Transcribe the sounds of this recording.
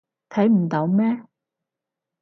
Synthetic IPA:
t̪ʰɐ˨˥jm̩˨˩t̪o˨˧˥wmɛː˥

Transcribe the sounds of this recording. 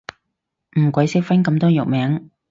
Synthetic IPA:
m̩˨˩kʷɐ˨˥jsɪ˥k̚fɐ˥nkɐ˧mt̪ɔː˥jʊ˨k̚mɛː˨˥ŋ

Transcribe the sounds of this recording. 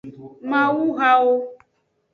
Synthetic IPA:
mã˦wu˦ɣa˦wo˦

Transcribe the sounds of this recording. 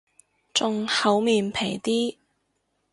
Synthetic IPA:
t͡sʊ˨ŋhɐ˨˥wmiː˨npʰe˨˩jt̪iː˥

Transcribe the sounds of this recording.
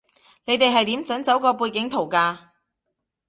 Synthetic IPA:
ne˨˧jt̪e˨jɦɐ˨jt̪iː˨˥mt͡sɐ˨˥nt͡sɐ˨˥wkɔː˧p̬uː˧jkɪ˨˥ŋt̪ʰo˨˩wkaː˧

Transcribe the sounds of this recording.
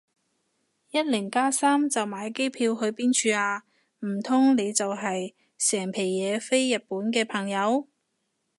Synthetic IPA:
jɐ˥t̚lɪ˨˩ŋkaː˥saː˥mt͡sɐ˨wmaː˨˧jke˥jpʰiː˧whɵ˨˧ɥpiː˥nt͡ʃʰyː˧aː˧ | m̩˨˩t̪ʰʊ˥ŋne˨˧jt͡sɐ˨wɦɐ˨j | sɛː˨˩ŋpʰe˨˩jjɛː˨˧fe˥jːɐ˨t̚puː˨˥nkɛː˧pʰɐ˨˩ŋjɐ˨˧w

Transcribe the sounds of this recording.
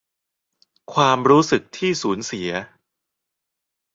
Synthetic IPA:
kʰwaː˧mɾuː˦˥sɯ˨˩k̚t̪ʰiː˥˩suː˩˦nsi˩˦ɐ

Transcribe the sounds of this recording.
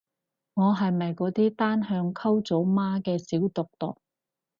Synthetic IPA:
ŋɔː˨˧ɦɐ˨jmɐ˨jkɔː˨˥t̪iː˥t̪aː˥nhœː˧ŋkʰɐ˥wt͡so˨˥wmaː˥kɛː˧siː˨˥wt̪ʊ˨k̚t̪ʊ̰˨k̚

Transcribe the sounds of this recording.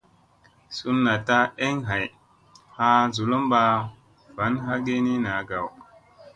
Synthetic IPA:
su˦nːa˨ta˦e˦ŋɦa˨j | ha˦zu˨lo˦mɓa˨ | va˨˦nɦa˦ɡe˦ni˦na˨˦ɡa˨w

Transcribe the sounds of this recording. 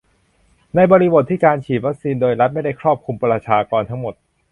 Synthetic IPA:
na˧jbɔː˧ɾi˦˥bo˨˩t̪ʰːiː˥˩kaː˧nt͡ɕʰiː˨˩t̪̚wa˦˥k̚siː˧ndoː˧jɾa˦˥t̪̚ma˥˩jda˥˩jkʰɾɔː˥˩p̚kʰu˧mpɾa˧t͡ɕʰaː˧kɔː˧nt̪ʰa˦˥ŋmo˨˩t̪̚

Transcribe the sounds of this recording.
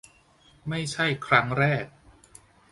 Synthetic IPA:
ma˥˩jt͡ɕʰa˥˩jkʰɾa˦˥ŋɾɛː˥˩k̚

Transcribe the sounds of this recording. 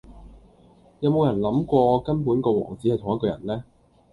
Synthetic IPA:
jɐ˨˧wmo˨˧wjɐ˨˩nlɐ˨˥mkʷɔː˧kɐ˥npuː˨˥nkɔː˧wɔ̰ː˨˩ŋt͡siː˨˥hjt̪ʰŋɐ˥tkɔː˧jɐ̰˨˩nlɛː˥

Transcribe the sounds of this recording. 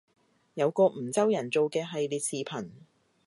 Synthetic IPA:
jɐ˨˧wkɔː˧m̩˨˩t͡sɐ˥wjɐ˨˩nt͡so˨wkɛː˧ɦɐ˨jliː˨t̚siː˨pʰɐ˨˩n

